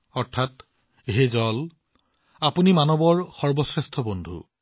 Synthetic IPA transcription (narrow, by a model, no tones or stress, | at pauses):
ɔɹtʰat | eɦezɔl | apunimanɔbɔɹxɔɹbɔsɹɛstʰɔbondʱṵ